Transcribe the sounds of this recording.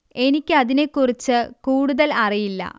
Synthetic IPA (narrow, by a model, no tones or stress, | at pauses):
e̞nikʲːɨɐðine̞kːurit͡ɕːɨkuːɽuðɐlɐrijilːɐ̰